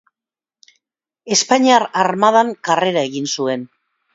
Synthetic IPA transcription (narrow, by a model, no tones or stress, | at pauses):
e̞spaɲiaɾaɾmaðaŋkare̞ɾae̞ɣinsue̞n